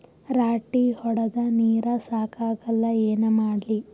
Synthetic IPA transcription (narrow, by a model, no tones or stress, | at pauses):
ɾaːʈihɔɽɐd̪ɐniːɾɐsaːkʰaːɡɐlːɐeːnɐmaːɽli